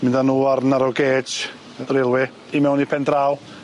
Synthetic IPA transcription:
mɪ̃ndanuːaɾnaɾɔɡeːd͡ʒ | dɾɪlˠwɪ | imɛwnipʰɛndraw

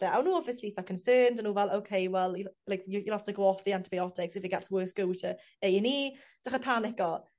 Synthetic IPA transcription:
d̥əʔawnoːɔbviəsliθəkʰə̃nsɜːndənuːvɛlˠoʊkʰeɪwɛlˠjəlajkjəjəlaftʰəɡowɔfðiãntɪbajɔtɪksɪfɪt̚ɡ̥ɛtswɜːˑθɡ̥oʊtʰə | ejəniː | d̥aχəpʰanɪkɔ

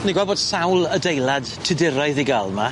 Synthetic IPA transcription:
niɡwabɔd̥sawlˠədejlˠad̥tʰɪdɪɾaɨðiɡalˠma

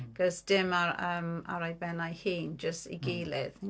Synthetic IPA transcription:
ɡ̥ɔzd̥ɪmaəːma̰ɾajbɛnajhiːnd͡ʒəstḭɡiːlɪð

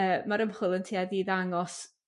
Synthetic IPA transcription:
əːmaɾəmhʊlˠəntʰiaðiðaŋɔs

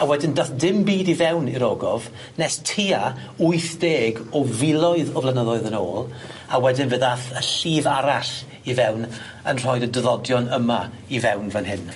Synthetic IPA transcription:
awɛdɪndaθdɪmbiːdivɛwniɾɔːɡɔv | nɛstʰiːa | ʊɨθd̥eːɡɔvɪlˠɔɨðɔvlˠanəðɔɨðəno̰ːlˠawɛdɪnvəðaθəɬiːvaɾaɬ | ivɛwn | ənr̥ɔɨdədəðɔdjɔnəma | ivɛwnvanɦɪn

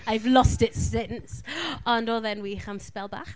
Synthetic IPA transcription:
aɪvlɔstɪtsɪ̃nsə̃nəðɛ̃nwiχə̃mspɛlˠba̰χ

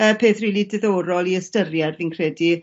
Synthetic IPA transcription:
əːpʰeːθriːlˠidɛðoːɾɔlˠiəstərjɛrðinkʰr̥ɛdi

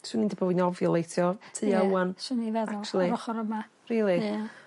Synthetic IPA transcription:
swɨniːndəbɔwinɔvjɔlˠejtʰjɔtʰɨːaansunivɛðaɔkt͡ʃlˠiɾɔχɔɾəma | riːlˠi

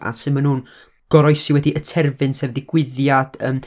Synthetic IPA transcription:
a̰sɨmanhuːn | ɡ̥ɔɾɔjsiwɛdiʔətʰɛrvɨnsɛːvðɪɡ̥wɪðjad̥ə̰ːm

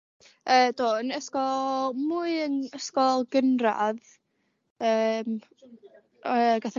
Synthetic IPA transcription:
əːd̥oːənəskɔlmuɨənəskɔlˠɡənra̰ð | əːm | əɡaθə

